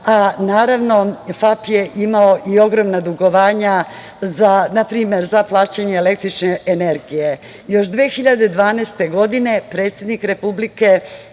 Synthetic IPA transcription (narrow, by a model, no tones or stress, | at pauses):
anaːɾaʋno̞fapjeʔimao̞ʔio̞ɡɾo̞mnad̪uɡo̞ʋaːɲa | zanapɾiːmeɾzaplˠaːt͡ɕaɲeːle̞k̚t̪ɾit͡ʃneene̞ɾɡije̞ | jo̞ʃd̪ʋeːxiʎad̪ed̪ʋaːneːst̪e̞ɡo̞d̪ine̞pɾet̪sje̞d̪nikɾe̞publike̞